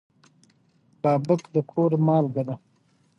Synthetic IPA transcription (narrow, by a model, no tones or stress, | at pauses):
bɑːbəkd̪əkʰoɾmɑːlɡana